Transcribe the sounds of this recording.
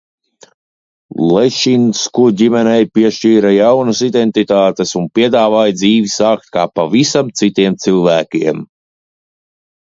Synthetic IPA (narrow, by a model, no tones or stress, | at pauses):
lˠɛʃinskuɟimɛnɛjpiɛʃt͡ʃiːɾajawnəsid̪ent̪it̪aːt̪esunpʲiɛd̪aːvaːjd̪ziːvisaːk̚t̪̚kaːpavisamt̪sit̪iɛmt̪silˠvæːkʲiɛm